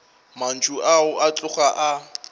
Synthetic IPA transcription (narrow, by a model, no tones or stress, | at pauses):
man̩t͡ʃʰʼuaʊʔat͡ɬʼʊχaʔa